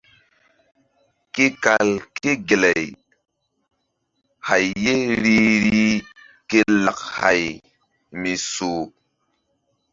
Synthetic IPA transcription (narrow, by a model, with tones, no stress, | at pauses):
ke˦ka˨lke˦ɡe˨lɛ˨j | ha˨jːe˦ɾi˦ɾi˦ | ke˦la˨k̚ha̰˨j | mi˨so˨